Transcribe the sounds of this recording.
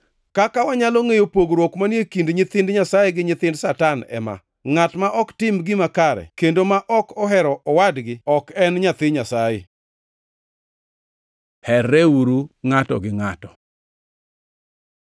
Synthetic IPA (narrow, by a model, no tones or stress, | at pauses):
kakawaɲaloŋejopoɡɾwokmanjekindɲɪt̪ɪndɲasajeɡɪɲɪt̪ɪndsatanɛ̰ma̰ | ŋatmaʔɔktɪmɡɪmakaɾɛ̰kendomaʔɔkɔɦɛɾɔʔɔwadɡɪɔkɛnɲat̪ɪɲasajɪ̰ | hɛrɛuɾuŋatɔ̰ɡɪŋatɔ